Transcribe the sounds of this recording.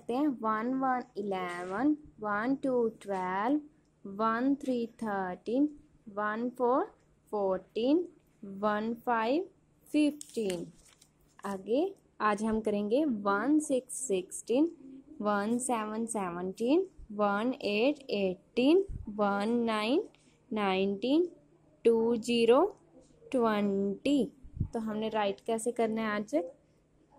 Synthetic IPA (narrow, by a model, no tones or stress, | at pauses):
t̪eɦɛ̃ʋɐnʋɐnɪlɛʋənʋɐnʈuʈʋɛlʋː | ɐnt̪ʰɾiːt̪ʰəːɾʈiːn | ʋɐnpʰoːɾ | pʰoːɾʈiːnː | ɐnpʰaːɪiʋ | fifʈiːn | əɡe | aːd͡ʒɦɐmkɐɾẽːŋɡeʋɐnsɪksːɪksʈiːnʋɐnsɛːʋə̃nsɛːʋə̃ɳʈiːnʋɐneːʈeːʈːiːnʋɐnːaːɪnː | aːɪ̃nʈĩːn | ʈuːd͡ʒiːɾo | ʈʋɛ̃ɳʈit̪oɦɐmneɾaːɪʈkɛːsekɐɾnaɦaːd͡ʒe